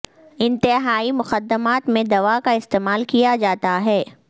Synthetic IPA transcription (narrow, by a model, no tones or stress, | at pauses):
ɪ̃nt̪ɪɦaːimʊxəd̪ːəmaːt̪mẽd̪ɐʋakaɪst̪eːmaːlkijad͡ʒaːt̪aɦɛː